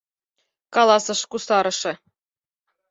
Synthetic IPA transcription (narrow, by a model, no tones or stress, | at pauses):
kɑlˠɑsɤ̆ʃkusɑɾɤ̆ʂɘ̆